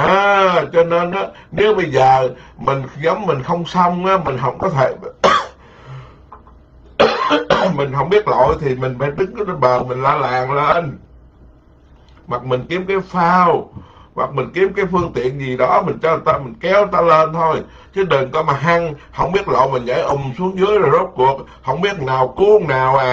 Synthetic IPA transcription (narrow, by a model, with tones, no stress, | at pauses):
ʔaː˨˩t͡ɕɔ˧ne˧nʔaː˨˦ne˨˦wɓə˧jzəː˨˩mï˨˩ŋ̟zə˨˦mːï˨˩ŋ̟xə˧wŋ͡msə˧wŋ͡mʔaː˨˦mï˨˩ŋ̟ɦə̰˧˩wŋ͡mkɔ˨˦t̪ʰe˧˩ | mi˨˩ŋ̟ɦə˧˩wŋ͡mɓi˦˥ət̚lo̰˧˨jt̪ʰi˨˩mï˨˩ŋ̟fa̰ː˧˩jɗɨ˨˦ŋkːə˧nɓəː˨˩mï˨˩ŋ̟laː˧la̰ː˨˩ŋle˧n | ma˨˩k̚mï˨˩ŋ̟ki˨˦əmkaː˨˦jfaː˧wwa̰˨˩k̚mi˨˩ŋ̟ki˨˦əmkaː˨˦jfɨ˧əŋt̪ḭ˧˨ənzi˨˩ɗɔ˨˦mï˨˩ŋ̟t͡ɕɔ˧˨˩t̪aː˧mï˨˩ŋ̟kɛ˨˦wo˨˩t̪aː˧le˧nt̪ʰo˧j | t͡ɕɨ˨˦ɗə˨˩nkɔ˨˦maː˨˩ɦa˧ŋhə˧wŋ͡mɓi˦˥ət̚lo̰˧˨jmï˨˩ŋ̟zə̰ː˧˩jʔə˨˩ŋ͡msu˨˦əŋzɨ˨˦əjzɔː˨˩zo˦˥t̚ku˨˩ək̚ | hə˧wŋ͡mɓi˦˥ət̚naː˨˩wku˨˧ŋnaː˨˩wʔaː˨˩